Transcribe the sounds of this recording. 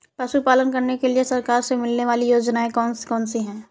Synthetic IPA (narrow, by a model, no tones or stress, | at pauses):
pɐʃupaːlənkɐɾnekeliesɐɾkaːɾsemɪlneʋaːlijoːd͡ʒnaẽkɔːnskɔːnsiɦɛ̃ː